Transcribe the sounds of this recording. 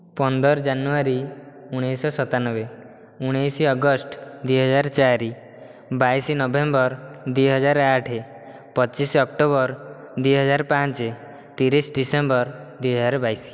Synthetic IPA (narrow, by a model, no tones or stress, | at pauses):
pɔnd̪ɔɾɔd͡ʒanuaɾiuɽ̃ejsɔsɔt̪anɔbe | uɽ̃ejsiɔɡɔsʈd̪ujɦɔd͡ʒaɾt͡ʃaɾi | bajsinɔbembɔɾd̪ujɦɔd͡ʒaɾaʈʰe | pɔt͡ʃisɔk̚ʈobɔɾ | d̪ujɦɔd͡ʒaɾpãnt͡ʃe | t̪iɾisɖisembɔɾd̪ujɦɔd͡ʒaɾbajsi̥